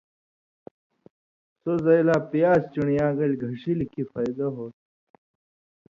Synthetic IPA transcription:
sozɐjlaːpijaːst͡ɕuɳijaːɡɐlʲɡʱɐʂilikʰifaːjd̪ɐɦoːt̪̚

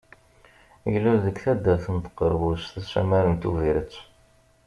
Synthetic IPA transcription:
jəlːuðəkθæd̪ːæθənt̪ə̥qːəɾvusθæsæ̰mæɾənt̪uviɾət͡sː

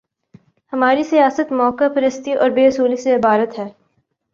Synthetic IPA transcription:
hɐmaːɾisijaːsət̪mɔːkafɐɾəst̪iʔɔːɾbeːʊsuːliseɪbaːɾət̪ɦɛː

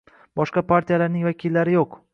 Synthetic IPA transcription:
b̥ɒʃqɑpʰaɾt̪ʰijalaɾnɪŋvakʲʰilːaɾɪjoq

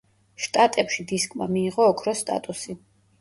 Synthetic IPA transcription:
ʃt̪ʼat̪ʼɛpʃid̪iskʼma̰miːʁɔːkʰɾɔst̪ʼa̰t̪ʼusi

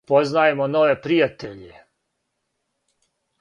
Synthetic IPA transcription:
po̞znaːjemono̞ʋe̞pɾijat̪eʎe

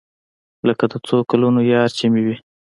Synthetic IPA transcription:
ləkad̪ət͡sokalunojɑɾt͡ʃimiwi

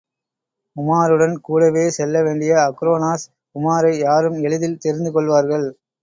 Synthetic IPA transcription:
ʊmaːɾɯɽɐnkuːɽɐʋeːsɛlːɐʋeːɳɖɪjɐɐkɾoːnaːs | kʊmaːɾɐɪjaːɾɯmɛɭɯðɪlt̪ɛɾɪnd̪ɯkɔɭʋaːɾɣɐɭ

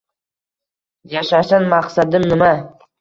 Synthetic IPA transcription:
jaʃaʃanmaqsad̪ɪmnɪma

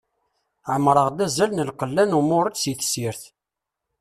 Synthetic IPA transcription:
ʕəmɾˤəʁd̪æzælnəlqəlːænumʊɾˤəd̪siθsiɾθ

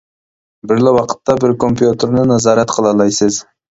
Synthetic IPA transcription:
bɪɾlɪwɑqʰə̥t̪ːɑbɪɾkʰompjut̪ʰeɾnɪnɑzɑɾɑt̪qʰəlˠɑlˠɑjsɨz

